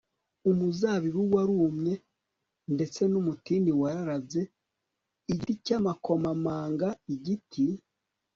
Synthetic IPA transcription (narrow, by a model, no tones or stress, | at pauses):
umuzaβiβuwaɾuːmɲe̞ | nde̞t͡se̞numutiniwaɾaɾaze̞ | iɟicamako̞mamaːŋɡaiɟitʰi